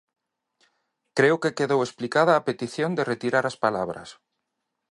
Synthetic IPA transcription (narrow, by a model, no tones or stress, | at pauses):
kɾeʊkekeðowesplikaðaːpet̪iθjõnd̪eret̪iɾaɾaspalaβɾɐ̰s